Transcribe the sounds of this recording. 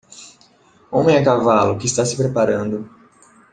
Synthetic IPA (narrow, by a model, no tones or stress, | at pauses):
õmẽɛkavalʊkɪːst̪asɪpɾepaɾɐ̃nd̪ʊ